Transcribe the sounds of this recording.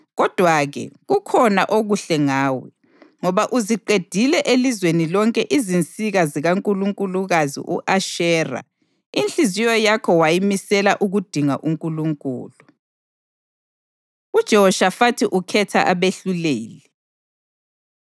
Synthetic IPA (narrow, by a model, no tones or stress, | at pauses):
ɣɔd̥ʱwaɣɛ̰ɣukʰɔna̰ʔoɣuɬɛŋaːwɛ̰ | ŋɔβaʔuziǃed̥ʱilɛʔelizwenilɔŋkʼɛʔizint͡sʼiɣaziɣaŋkʼuluŋkʼuluɣazḭʔṵʔaʃɛːra̰ | int͡ɬʼizijɔjakʰɔwajimisɛlaʔuɣud̥ʱiŋa̰ʔuŋkʼuluŋkʼṵːlu | ud̥ʒ̥ʱɛɔʃafatʰiʔukʰɛtʰa̰ʔaβeɬuleːli